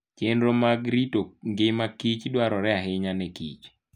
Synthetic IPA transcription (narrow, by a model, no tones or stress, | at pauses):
t͡ʃendɾomaɡɾitoŋɡɪmakit͡ʃdwaɾɔɾɛaɦɪɲanɛkḭt͡ʃ